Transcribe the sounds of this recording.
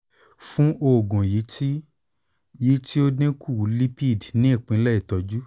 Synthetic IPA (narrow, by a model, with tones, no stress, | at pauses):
fũ˦ʔo˧˨ɡɔ̃˨ji˨˦ti˦ | ji˨˦ti˦o˦dẽ˦kʰu˦˨u˨li˦pi˦˨dnĩ˨˦i˦˨k͡pĩ˨˦lɛ˦˨i˦˨tɔ˧d͡ʒu˦